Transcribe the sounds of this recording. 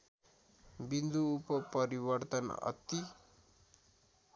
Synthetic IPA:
bind̪uːpʌpʌɾibʌrt̪ʌnʌ̰t̪i

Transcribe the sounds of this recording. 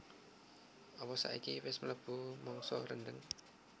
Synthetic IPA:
ɔpɔsa̰ʔikiwɪsmələb̥ṳmɔŋsɔɾəndəŋ

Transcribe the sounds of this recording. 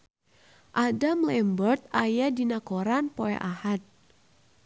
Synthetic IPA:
ʔadamlɛmbɔrt̪̚ajadinakoɾanpoɛ̰ʔahat̪̚

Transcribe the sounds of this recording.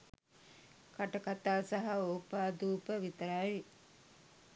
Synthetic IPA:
kaʈəkat̪aːsaɦaoːpaːd̪uːpəʋit̪əɾaj

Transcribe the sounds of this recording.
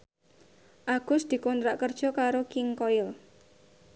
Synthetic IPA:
ʔaɡ̥ʊsd̪̥i̤kɔnt̪ɾaʔkərd̥ʒ̥ɔ̤kaɾokɪŋkɔɪl

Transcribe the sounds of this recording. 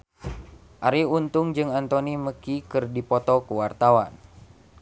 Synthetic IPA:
ʔaɾiunt̪uŋd͡ʒɨŋant̪oniməkikɨrdipɔt̪ɔkuwart̪awan

